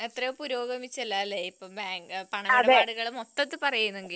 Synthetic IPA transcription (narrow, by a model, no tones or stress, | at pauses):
et̪rɐjpuɾo̞ːɡɐmit͡ɕːɐlːailːeipːoːbaːŋɡɨpɐɳɐɐeaːɽuɣɐɭumot̪ːɐt̪ːɨpɐrɐjunːueŋɡil